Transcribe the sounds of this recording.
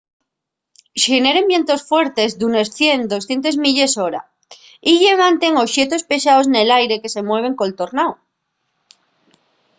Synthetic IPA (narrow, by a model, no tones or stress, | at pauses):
ʃene̞ɾembjent̪o̞sfwe̞ɾt̪e̞zd̪unesθje̞nd̪o̞sθje̞nt̪e̞zmiʎe̞so̞ɾa̰ | iʎe̞βant̪e̞ŋo̞sʃje̞t̪o̞spe̞ʃaosne̞lajɾe̞ke̞se̞mwe̞β̞e̞ŋkolt̪o̞ɾnaw